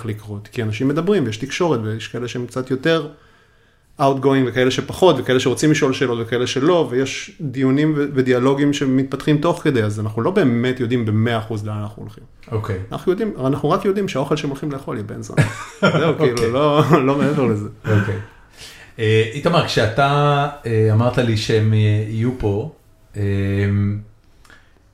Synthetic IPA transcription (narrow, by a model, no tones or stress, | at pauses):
χlikʁot̪kianaʃimːe̞d̪abʁimvejeʃtikʃo̞ʁetvejeʃkaele̞ʃeemkt͡sat̪jo̞te̞ʁ | ʔautɡo̞imvekae̞leʃepaχo̞tvekaeleʃeo̞t͡simliʃo̞lʃe̞ːlo̞t̪vekaele̞ʃelo̞vejeʃd̪ijunimvevedialo̞ɡimʃe̞mit̪̚patχimt̪o̞χke̞dejazanaχnulo̞be̞ːme̞tjo̞dimbe̞meaːχuzleaanaχnuolχim | okejana̰χnujo̞d̪imanaχnuʁakjo̞dimʃeao̞χe̞lʃeemolχimlejeχo̞ljebḛnzo̰zzewkiilulolo̞meeveʁlezeokej | eit̪amaʁkʃeat̪aeamaʁt̪aliʃeemeijupo̞ | em